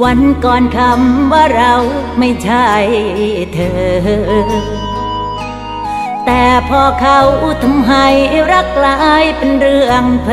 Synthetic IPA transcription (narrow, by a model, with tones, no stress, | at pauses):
wa˧nkɔː˧nkʰa˧mʋa˧˥ɾa˧wmə˧jt͡ɕʰa˧˩jt̪ʰəː˧˨ɦə | t̪aː˧pʰɔː˧kʰa˧wʔu˧t̪ʰɔ˧mɦa˧jɾa˧˥kːla˧ʔa˧jpənrɨ˧əŋpʰ